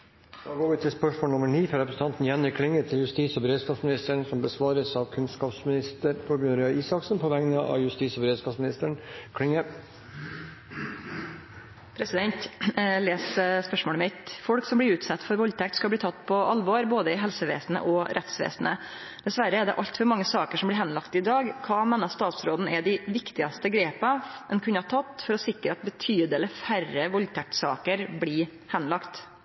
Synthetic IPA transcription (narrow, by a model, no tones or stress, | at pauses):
d̪̥ɑːɡoːʋɪt̪ʰɪlspœʂmoːlnʊməɳiːfɔɾɛpɾəsn̩t̪ʰɑnt̪n̩jɛnɪkʰːɽɪŋːət̪ʰɪljʉst̪iːsɔbəɾeːd̪skɑːfsmɪnɪst̪əɳsɔmbəsʋɑːɾəsɑʋkʰʉnskɑːpsmɪnɪst̪əɾpʰɔbjʉɾɪɑiːsɑksn̩pʰɔʋæŋnəʔɑ̰jʉst̪iːsɔbəɾeːd̪skɑːsmɪnɪst̪əɳkʰɽɪŋːə | pʰɾɛsɪd̪ɛnt̪leːsspœʂmoːɽəmɪt̪fɔɽksɔmblɪɾʉːt̪sɑt̪ːfɔɾʋɔlt̪ʰɛk̚t̪skɑbliːt̪ʰɑt̪ːpʰɔɑlʋɔɾboːd̪əɪɦɛlsəʋḛːsnə̰ʔɔɾʔɛt̪sʋḛːsnə̰ | d̪̥ɛsʋæɾəɛɖ̪ɛ̰ʔɑʎt̪fɔɾmɑŋːəsɑːkəʂɔmblɪɾɦɛnlɑkt̪ɪd̪ɑːɡkʰɑːmɛnːɑst̪ɑːt̪sɾoːd̪n̩ɛd̪ɪʋɪkt̪ɪɑst̪əɡɾeːpɑʔɛnkʰʉnːəhɑt̪ʰɑt̪ːfɔɾɔsɪkɾəɑt̪bət̪ʰyːd̪əlɪfærəʋɔlt̪ʰæk̚t̪sɑ̰ːkəɾbɽɪː | hɛnlɑkt̪